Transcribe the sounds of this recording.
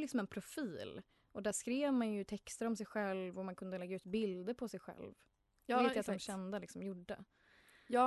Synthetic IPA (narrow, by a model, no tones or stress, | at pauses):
lɪksɔmɛnpʰɾʊfiːl | ʔɔd̪æʂkɾeːvmanjɵt̪ʰɛkst̪əɾɔmsɛjɧɛlvɔmankʰɵnd̪əlɛɡːaʉ̟ːt̪bɪld̪əɾpʰɔsɛjɧɛ̰lv | veːt̪jat̪d̪ɔmɕɛnd̪alɪksɔmjʊɖːə̰